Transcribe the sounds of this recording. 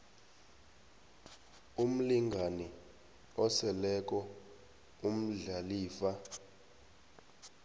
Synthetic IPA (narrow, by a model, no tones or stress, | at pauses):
um̩liŋɡʱani | ɔsɛlɛk̬ʼɔ | um̩ɮaliːfa